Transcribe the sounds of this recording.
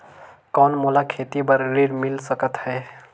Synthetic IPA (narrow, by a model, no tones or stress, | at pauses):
kɔːnmulakʰet̪ibəɾːiɾmilsəkət̪hɛː